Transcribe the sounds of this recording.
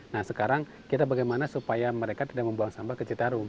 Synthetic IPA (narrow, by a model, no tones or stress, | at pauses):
nahsəkaɾaŋ | kit̪abaɡajmanasupajaməɾekat̪idaʔ̚məmbuaŋsambahkət͡ʃit̪aɾʊm